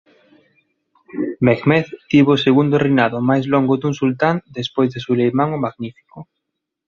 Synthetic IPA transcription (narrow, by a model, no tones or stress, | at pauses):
meɣmɛθt̪iβoseɣund̪orinaðomajzlɔŋɡod̪uŋsult̪and̪espojzðesulejmaŋmaɣnifi̥ko